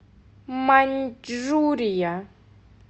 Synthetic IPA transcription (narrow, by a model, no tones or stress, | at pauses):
mand͡ʒɾuɾija